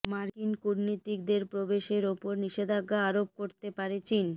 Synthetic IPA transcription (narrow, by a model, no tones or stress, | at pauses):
maɾkinkuɾnit̪ik̚d̪eɾpɾobeʃeɾopoɾniʃed̪ʱaɡːaaɾop̚koɾt̪epaɾet͡ɕin